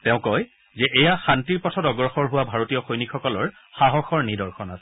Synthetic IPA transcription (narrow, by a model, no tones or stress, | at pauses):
tɛʊ̃kɔj | zɛʔejaxantiɹpɔtʰɔtɔɡɹɔxɔɹɦʊwabʱaɹotijɔxojnikxɔkɔlɔɹ | xaɦɔxɔɹnidɔɹxɔnasɛ̥